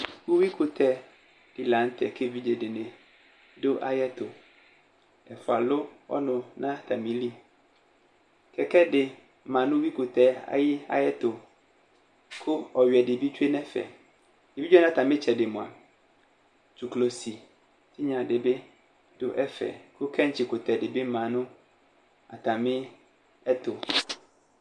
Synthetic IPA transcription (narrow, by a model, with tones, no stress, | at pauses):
ku˦wi˦kʰʊ˨tʰɛ˦ | d̥ɪ˨lã˨˦n̩˦tʰɛ˨kʰe˦vi˦d͡ʒe˨dɪ˨nɛ̃˨ | dʊ˦ʔa̰˦jɛ˦tʊ˨ | ɛ˨fʊ˨a˨lʊ˦ɔ̰˦nʊ̃˨nã˦t̪ʰa˨mĩ˨li˦ | kʰɛ˨kɛ˦dɪ˨ | mã˨nʊ̃˦wi˦kʊ˨tʰɛ˦a̰˨jɪ˦a̰˦jɛ˦tʊ˨ | kʰʊ˦ɔ˨ɥɛ˨dɪ˨bi˦t͡ɕᶣe˦nɛ̃˦fɛ̰˨ | dɪ˨bi˦e˦nã˦t̪ʰa˨mɪ̃˦t͡ɕʰɛ˨dɪ˨mʊ̃˨a̰˨ | t͡ʃʰu˨klo˨si˨ | tʰɪ˦ɲã˨dɪ˨bɪ˦ | dʊ˨ʔɛ˦fɛ̰˨kʰʊ˦kʰɛ̃˦ɲ˨t͡ɕʰɪ˨kʊ˨tʰɛ˨dɪ˨bɪ˦mã˨nʊ̃˦ | a̰˨tʰa˨mɪ̃˦ | ɛ˦tʰʊ˨